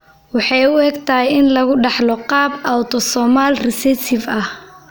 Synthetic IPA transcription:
wɑħɑjʊɛɡt̪ʰɐhjɪnlɐɣʊɖɑħlɔqɑːbawt̪ʰɔsɔːmalrɪsɛt̪ʰɪfɐh

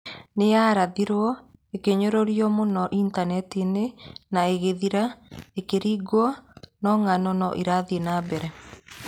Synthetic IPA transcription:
nejaːɾaðiɾwɔekeɲoɾoɾijɔmonɔʔintanɛtinenaeɣeðiɾaekeɾiːɡwɔnɔŋanɔnɔ̰ʔiɾaðienabɛɾɛ

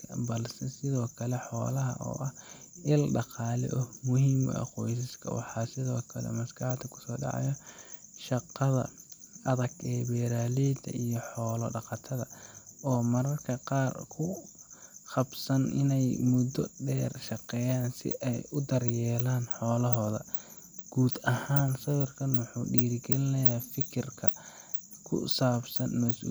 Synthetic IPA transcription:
ɐbɐlsɛsɪðɔːkʰɐlɛħɔːlɐɦɐ̰ʔɔ̰ːʔɐh | ɪlɖɑqɑːlɛ̰ʔɔmʊɦiːm̰ɐ̰qɔjs̬ɪskʰɐ̰wɑ̰ħɑːsɪðɔːkʰɐlɛ̰mɐskʰɑħt̪ʰːɐkʰʊ̥sɔːɖɑ̰ʕɑ̰jɔʃɑqːɑðɐ̰ɐðɐɡɛːbɛːɾaːliːd̪ʰɐ̰ijɔħɔːlɔ̰ɖɑqɑt̪ʰɐðɐ̰ɔːmɐɾɐrkʰɐqɑːrkʰʊ | χɑbsɐnɪ̰nɛjmʊd̪ɔ̰ɖɛːrʃɑqɛːjaːnsɪ̰ʔɛjʊd̪ɐrjɛːlaːnħɔːlɐɦɔːðɐ̰ | ɡ̥uːd̪ɐhaːnsɐβɐrkʰɐnwʊħuːɖiːɾɪɡɛlɪnɐjaːfɪkʰɪrkʰɐ̰ | kʰʊ̰saːbsɐnmɐsṵː

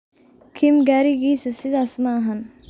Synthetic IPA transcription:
kʰɪmɡɛːɾiɡiːsəsɪd̪asmaːɦɐn

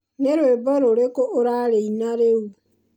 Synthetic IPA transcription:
neɾwebɔɾoɾekoʔoɾaɾeinaɾeu

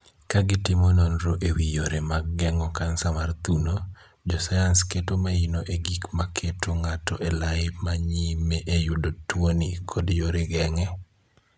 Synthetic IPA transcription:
kaɡɪtɪmononɾoʔewijoɾemaɡːɛŋɔkansamart̪uno | d͡ʒɔsajansketomainoʔeɡikmakʰetoŋatɔʔɛlaɪmaɲimeʔejʊdotwonikʰodjoɾeɡɛŋɛ

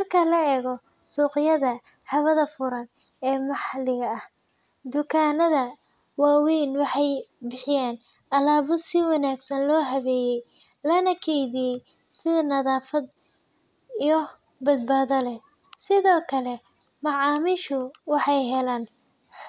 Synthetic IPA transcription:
mɐrkʰɐlɐɛːɣɔ | suːqɪjɐðɐ | hɐβɐðɐfʊɾɐn | ɛːmɑħlɪɣɐɐh | d̪ʊkʰaːnɐðɐ | waːwiːnwɑħɑjbɪħɪjaːn | ʔɐlaːβʊsɪwɑnaːɡsɐnlɔːɦɐβɛːjɛj | lɐnɐkʰɛjðijɛj | sɪðɐnɐðaːfɐd̪ | ijɔ | bɐd̪̚baːðɐlɛ | sɪðɔːkʰɐlɛ | mɑʕɑːmɪʃʊwɑħɑjɦɛlaːn

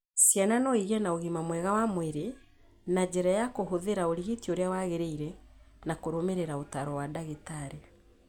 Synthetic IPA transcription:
sjananɔiɣɛnaoɣimamwɛɣawamweɾe | nad͡ʑɛɾajakoɦoðeɾaoɾiɣetioɾeawaɣeɾeiɾɛ | nakoɾomeɾeɾaotaɾɔwadaɣetaɾe

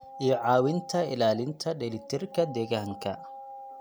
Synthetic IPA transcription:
ʔijɔʕɑːwɪnt̪ʰɐɪlaːlɪnt̪ʰɐɖɛlɪt̪ʰɪrkʰɐd̪ɛːɣaːŋkʰɐ

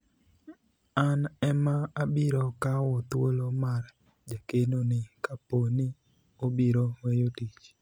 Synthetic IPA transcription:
anɛmaabiɾɔkawɔt̪wolomar | d͡ʒakenonɪkaponɪ | obiɾowejotit͡ʃ

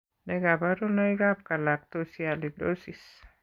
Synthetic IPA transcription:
neɡabaɾunaiɡap̚kalak̚t̪osialid̪osis

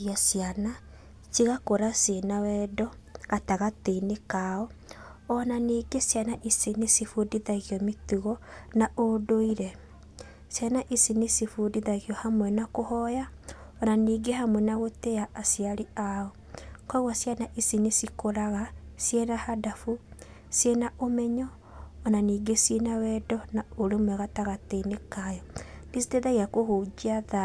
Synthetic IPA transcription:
iasiana | siɣakoɾasenawɛdɔ | ɣataɣateinekaɔɔnaniːɡesjanaʔisinesifudiðaɣiɔmetuɣɔnaʔodoiɾɛ | sjanaʔisinesifudiðaɣjɔhamwɛnakohɔja | ɔnaniːɡeɦamwɛnaɣoteaʔːsiaɾeaɔ | kɔiɣwasjanaʔisinisikoɾaɣasjenahadafu | sjenaʔomɛɲɔː | naniːɡesjenawɛdɔnaoɾemwɛɣataɣateinekajɔnisiteðaiakohoːd͡ʒiaða

